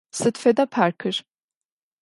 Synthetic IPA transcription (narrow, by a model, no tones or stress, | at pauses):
sɨt̪fed̪apʰaɾkʰɯɾ̥